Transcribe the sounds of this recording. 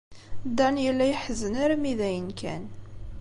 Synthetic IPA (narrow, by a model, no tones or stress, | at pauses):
d̪ɑnjəlːæjħəzːənæɾamiðæjənkʰæ̰n